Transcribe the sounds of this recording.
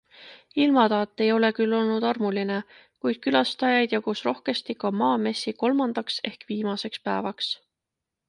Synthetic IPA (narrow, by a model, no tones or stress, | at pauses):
ilmɑt̪ɑːt̪ˑːe̞jo̞le̞kylːo̞lnud̪̥ɑrmuline | kujd̪̥̚kylɑst̪ɑjɑjd̪̥jɑɡ̥usro̞hke̞st̪ikɑmɑːme̞sːiko̞lmɑnd̪̥ɑkse̞hkviːmɑse̞kspæevɑks